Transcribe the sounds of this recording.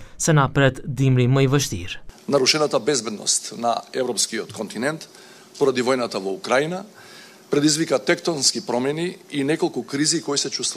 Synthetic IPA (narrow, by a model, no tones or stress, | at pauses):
sɛnapɾɛt̪d̪imɾiməjvəʃt̪ḭɾnaɾuʃɛnat̪abɛzbɛd̪nɔ̰st̪na̰ɛvɾɔpskiɔt̪kɔnt̪inɛnt̪ | pɔɾad̪ivɔjnat̪avɔukɾaina | pɾɛd̪izvikat̪ɛkt̪ɔnskipɾɔmɛniːnɛkolˠkukɾizikɔjisɛt͡ʃust̪